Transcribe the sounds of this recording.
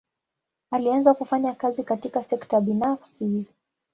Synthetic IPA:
alianzakufaɲakazikatikasɛktaɓinafsi

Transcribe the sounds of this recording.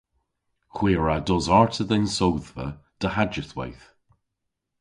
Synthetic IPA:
kwiːɹadɔzaɹtʰəðɛnsowðvə̰d̥əhad͡ʒəθwa̰jθ

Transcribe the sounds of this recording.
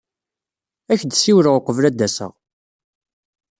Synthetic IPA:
æçd̪siwɾəʁqəvlæd̪ːæsə̰ʁ

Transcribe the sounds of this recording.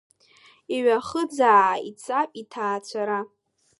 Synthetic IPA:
iɥʷaχəd͡zaːait͡sʰʼapʼitʰaːt͡ɕʷʰaɾa

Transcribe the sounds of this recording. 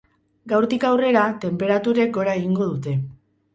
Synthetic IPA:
ɡawɾt̪ikawre̞ɾat̪e̞mpe̞ɾat̪uɾe̞k̚ɡo̞ɾae̞ɣiŋɡo̞ð̞ut̪e̞

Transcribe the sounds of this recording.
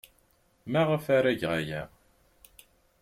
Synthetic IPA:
mæʁəfaɾæʝʁajæ̰

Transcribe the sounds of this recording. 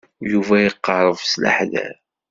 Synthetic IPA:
juvæjəqːɑɾˤəvsla̰ħðæ̰θ

